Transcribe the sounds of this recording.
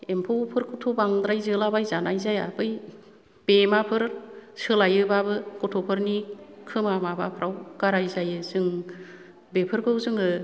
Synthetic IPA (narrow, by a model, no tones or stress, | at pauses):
empʰɯwpʰɯɾkʰɔtʰobaŋd̪ɾajzɯlabajzanajzaja̰bɯj | b̥emapʰɯɾsɯlajɯbabɯkɔtʰɔpʰɯɾnikʰɯmamabapʰɾʔawɡ̥aɾajzajɯzɯŋ | bepʰɯɾkʰɯwzɯŋɯ